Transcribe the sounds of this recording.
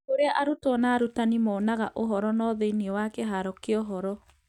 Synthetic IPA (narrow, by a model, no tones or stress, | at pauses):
oɾeaʔaɾutɔnaːɾutanimɔːnaɣaʔoɦɔɾɔnɔːðeiniɔwakeɦaɾɔkeɔɦɔɾɔ